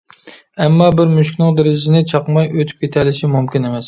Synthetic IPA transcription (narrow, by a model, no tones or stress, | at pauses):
ɛmːɑbɪɾmyʃkʲnɪŋd̪eɾɪzɪnɪt͡ʃʰɑqmɑjøt̪ʰy̥p̚kʲʰet̪ʰɛlɪʃimumkʲinemɛs